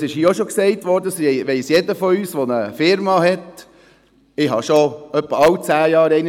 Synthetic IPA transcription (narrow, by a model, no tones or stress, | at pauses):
sɪʃhiːoʃɔksɛɪt̪ʋɔːɾdəsʋɛɪsjɛdəfɔyːsʋɔnəfɪɾmɑhɛt̪ | ɪɦɑ̰ʃoœpːəɑwt͡sæːjɑːɾɛɪn